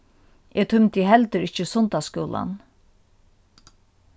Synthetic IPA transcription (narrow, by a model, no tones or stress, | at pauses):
ʔɛːt̪ʰʊmt̪əɦɛlt̪əɾɪht͡ʃəsʊnt̪askuːla̰n